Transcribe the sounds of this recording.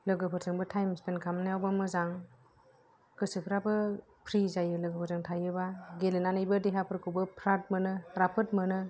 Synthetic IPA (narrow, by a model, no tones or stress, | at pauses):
lɯɡɯpʰɯɾtʰɯŋbɯtʰajmspenkʰamnajawbamɯzaŋ | kɯsɯpʰɾabɯ | pʰɾizajɯlɯɡɯpʰɯɾtʰɯŋtʰajɯbaɡelenanɯjbɯdeɦapʰɯɾkʰɯwbɯpʰɾat̚mɯnɯɾapʰɯt̚mɯnɯ